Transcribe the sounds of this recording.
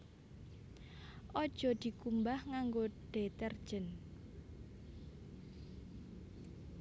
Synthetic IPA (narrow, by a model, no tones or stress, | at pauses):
ʔɔd̥ʒ̥ɔ̤d̪̥i̤kumbahŋaŋɡoɖ̥et̪ɛrd̥ʒ̥ən